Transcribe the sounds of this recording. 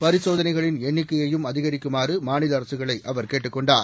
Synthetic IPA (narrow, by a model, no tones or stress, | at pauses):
pɐɾɪsoːðɐnɐɪɣɐɭɪnɛɳːɪkːɐjɐjɯmɐðɪɣɐɾɪkːɯmaːrɯmaːnɪlɐɐɾɐsɯɣɐɭɐɪʔɐʋɐɾkeːʈːɯkːɔɳɖaːɾ